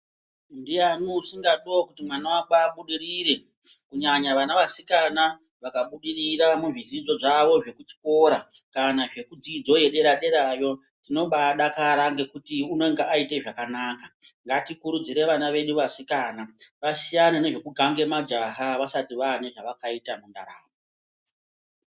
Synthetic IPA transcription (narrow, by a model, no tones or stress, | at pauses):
ndijanuusiŋɡaɗokutimwanawaɓaɓuɗiriɾe̞ | kuɲaɲaʋanaʋasikana | ʋakaɓuɗiriɾamuʐizid͡zo̞ʐaʋo̞ʐe̞kut͡ʃi̥ko̞ːɾa | kanaʐe̞kud͡zid͡zo̞je̞ɗe̞ɾaɗe̞ɾajo̞ | tino̞ɓaɗakaɾaŋɡe̞kutiuno̞ŋɡeʔaite̞ʐakanaːkaŋɡatikuɾud͡ziɾe̞ʋanaʋe̞ɗuʋasikaːnaʋasijanane̞ʐe̞kuɡʱaŋɡe̞mad͡ʒaɦaʋasatiʋaneʐaʋakaitamunda̰ɾa̰ːmo